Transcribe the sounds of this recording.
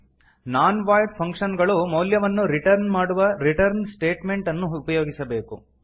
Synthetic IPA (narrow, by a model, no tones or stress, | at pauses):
naːnʋaːjɖpʰɐŋkʂɐnɡɐɭumɐwljɐʋɐnːuɾiʈɐɾnmaːɽuʋɐɾiʈɐɾnsʈeːʈme̞ɳʈɐnːuːpɐjo̞ːɡisɐbe̞ːku